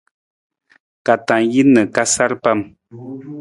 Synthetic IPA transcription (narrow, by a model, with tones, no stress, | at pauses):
ka˨tã˨ji˦nə˨ka˦sa˦ɾpa˦m